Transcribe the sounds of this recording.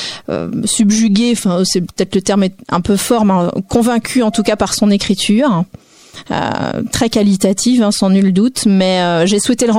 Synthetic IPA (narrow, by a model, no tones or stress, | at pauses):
ø̰sybʒyɡʲeɑ̃fɛ̃sɛpə̥t̪ɛt̪lət̪ɛʁmɛɛ̰̃pøfɔʁmɛ̃kɔ̃vɛ̃kʲʰyɑ̃t̪ukapaʁsɔ̃nekχit̪ʰyːʁ | ø̰t̪χɛkalit̪at̪ʰifɛ̃sɑ̃nyld̪ut̪mɛøʒeswɛt̪eləʁɑ̃